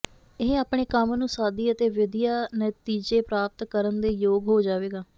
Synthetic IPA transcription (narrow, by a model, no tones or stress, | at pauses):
eːaːpɳeːkəmnũːsaːd̪iːət̪eːʋɪd̪ijaːnət̪iːd͡ʒeːpɾaːp̚t̪kəɾənd̪eːjoːɡɦoːd͡ʒaːʋeːɡaː